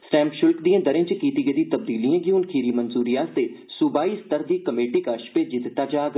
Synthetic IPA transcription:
sʈɛ̃ːmpʃʊlkd̪ijãːd̪əɾẽt͡ʃkiːt̪iːɡəd̪ĩːt̪əb̚d̪iːliːãːɡiunkʰiːɾiːmənzuːɾijaːst̪eːsʊbaːiːst̪əɾd̪iːkəmeːʈiːkəʃpeːd͡ʒɪt̪ɪt̪ːaːd͡ʒaːɡ

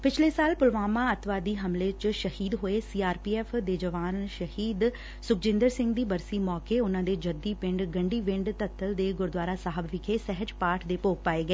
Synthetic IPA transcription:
pɪt͡ʃʰleːsaːlpʊlʋaːmãːət̪ʰʋaːd̪iːɦəmlet͡ʃʃəhiːd̪ɦoːeːsiːaːɾpiːɛːfʰd̪eːd͡ʒəʋaːnʃəhiːd̪ | sʊkʰd͡ʒɪ̃nd̪əɾsɪ̃ŋɡd̪iːbəɾsiːmɔːkeːʊnãːd̪eːd͡ʒəd̪iːpɪ̃ɳɖɡəɳɖiːʋɪ̃ɳɖt̪ət̪ʰːəld̪eːɡʊɾd̪waːɾaːsaːɦəbʋɪkʰeːsɛɦət͡ʃpaːʈʰd̪eːpoːk̚paːeːɡɛeː

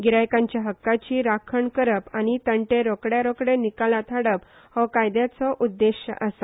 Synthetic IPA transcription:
ɡiɾajkãɲt͡ɕjaɦəkːat͡ɕiːɾakʰəɳkəɾəpañit̪əɳʈeɾɔkɽjaɾɔkɽenikalat̪ʰaɽəp | hɔkajd̪jat͡sɔʔud̪ːeɕjə̰ʔəsa

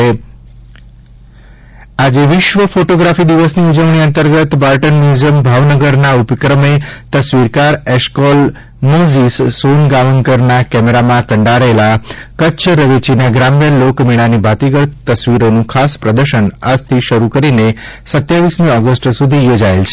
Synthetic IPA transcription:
ad͡ʒeʋɪʃʋəfoʈoɡɾafid̪iʋəsniud͡ʒəʋɳ̃iənt̪əɾɡət̪baɾʈənmuzəmbʱaʋnəɡəɾnaupəkɾəmet̪əsʋiɾkaɾɛʃkol | mozissonɡaʋəŋkəɾnakɛmeɾamãkəɳɖaɾelakətːʃʰɾəʋet͡ʃinaɡɾamjəlokmiɭ̃anibʱat̪iɡəɽt̪əsʋiɾonũkʰaspɾəd̪əɾʃənad͡ʒt̪ʰiʃəɾukəɾinesət̪jaʋismĩɔɡəsʈsud̪ʱijod͡ʒaelt͡ʃʰe̥

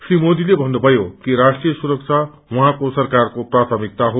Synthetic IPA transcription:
srimod̪ilebʱʌnːubʱʌjokiɾasʈrijʌsuɾʌk̚t͡sʰa | wuɦãkosʌrkarkoprat̪ʰʌmik̚t̪aɦo

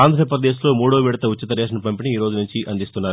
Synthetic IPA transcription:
aːnd̪ʱɾɐp̬ɾɐd̪eːs̬lo̞ːmuːɽoːʋiːɽɐt̪ɐut͡ʃːit̪ɐɾɛːʂɐnɐpɐmpiniiːɾoːd͡ʒunuɲt͡ʃiʔɐnd̪ist̪unːaːɾ

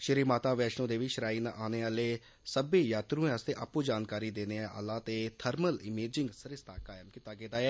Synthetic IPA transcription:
ʃɪɾiːmaːt̪aːʋɛːʃnõːd̪eːʋɪʃəɾaːiːnaʔaːneːaːleː | səbeːjaːt̪ɾũːẽːəst̪eːʔa̰ːpuːd͡ʒaːnkaːɾiːd̪eːneːaʔa̰ːlaːt̪eːt̪ʰəɾməlɪmeːd͡ʒɪŋɡsəɾɪst̪aːkaːjəmkiːt̪aːɡeːd̪aːɛː

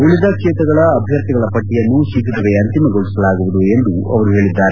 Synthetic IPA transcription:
uɭid̪ɐkʂɛːt̪ɐɡɐɭɐːbʱjɐɾt̪iɡɐɭɐpɐʈːijɐnːusikid̪ɐʋe̞ɐnt̪imɐɡoɭisɐlaːɡuʋud̪ue̞nd̪uɐ̰ʋɐɾuɦe̞ːɭid̪ːaːɾe

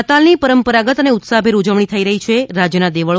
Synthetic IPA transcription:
ət̪alnipəɾəmpəɾaɡət̪əneʊt̪sabʱeɾud͡ʒəʋɳ̃it̪ʰəiɾəɦit͡ʃʰeɾad͡ʒjənad̪eʋəɭ

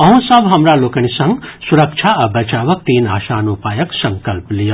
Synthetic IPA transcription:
ɐɦũsɐbɦɐmɾaloːkɐɽ̃isɐ̃ŋɡsuɾɐkt͡ʃʰaɐbɐt͡ʃaːʋɐk̚t̪iːna̰ːʃaːnupaːjɐksɐ̃ŋkɐlplijɐ

